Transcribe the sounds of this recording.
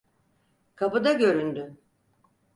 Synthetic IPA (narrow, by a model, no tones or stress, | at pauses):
kʰabud̪aɟø̞ɾynd̪y